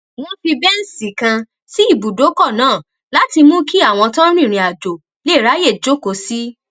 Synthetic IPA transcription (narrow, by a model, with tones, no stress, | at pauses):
w̃ɔ̃˦ti˧bɛ˦n̩˦si˨kã˧ | si˦i˦˨bu˨do˨˦kɔ˦˨nãː˦˨ | la˨˦ti˧mũ˦ki˦a˦˨w̃ɔ̃˧tã˦ɾ̃ĩ˦˨ɾ̃ĩ˨a˨d͡ʒo˨ | le˦˨ɾa˨˦je˦˨d͡ʒo˦ko˨˦si˦